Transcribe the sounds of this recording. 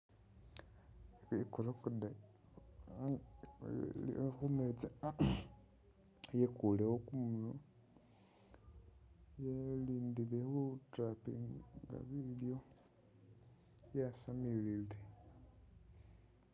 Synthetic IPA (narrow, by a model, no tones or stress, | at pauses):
ikuɾokuda | xumet͡sa | jekulewokumuno | jeliːndilehutrapiŋɡa̰βiljo̞ | jasamilile